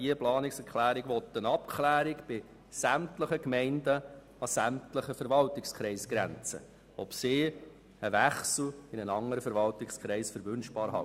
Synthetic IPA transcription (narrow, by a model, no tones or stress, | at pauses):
iəplɑːnɪksɛɾkʰlæːɾɪɡʋɔt̪ːənɑpkʰlæːɾɪkb̥ɪ | sæmtləχəkmɛɪndə | ɑsæmtləχəfəɾvɑltɪkskχɾɛɪsɡ̥ɾæ̰nt͡sə̰ | ɔpsɪː | əvæχsl̩ɪnənɑŋːəɾəfəɾʋɑltɪkskʰɾɛɪsfəɾʋʏnʃb̥ɑːɾɦɑ̰